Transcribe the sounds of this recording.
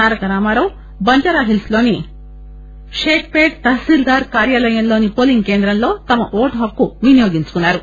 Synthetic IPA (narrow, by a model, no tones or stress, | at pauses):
aːɾɐkɐɾaːmaːɾɐw | bɐɲt͡ʃɐɾaːɦilsloːni | ʃeːkʰpeːʈt̪ɐɦsiːɾɡ̪aːɾkaːɾjaːlɐjɐmloːnipoːliŋkeːnd̪ɾɐmloːt̪ɐmɐʔoːʈɦɐkːuʋinjoːɡiɲt͡ʃu̥kunːaːɾu